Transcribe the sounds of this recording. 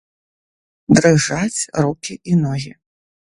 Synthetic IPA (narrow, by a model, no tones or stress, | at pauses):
d̪ɾɨʐat͡sʲrukʲiʔinɔɣʲi